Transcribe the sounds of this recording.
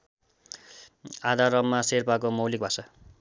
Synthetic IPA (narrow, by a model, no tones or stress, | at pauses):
ad̪aɾʌmːaserpakomʌwlik̚bʱʌsʌ